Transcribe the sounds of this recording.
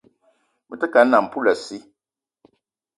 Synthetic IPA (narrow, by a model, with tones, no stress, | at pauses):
mə˨tə˦ka˨˦na˨m˨pu˦la˨si˦